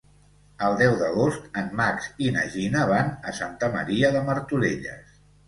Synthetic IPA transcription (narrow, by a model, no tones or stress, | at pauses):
əlˠd̪ɛwðəɣost̪ənmaksinə̰ʒinəβanəsant̪əmə̰ɾiəðəməɾt̪uleʎə̰s